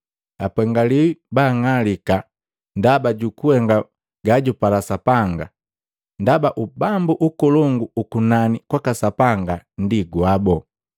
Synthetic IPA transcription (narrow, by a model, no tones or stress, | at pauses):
apɛŋɡaliwibaːŋalika | ndabaɟukuhɛŋɡa | ɡaɟupalasapaŋɡa̰ | ndabaʔubambuʔukɔlɔŋɡuːkunanikwakasapaŋɡan̩diɡuabɔ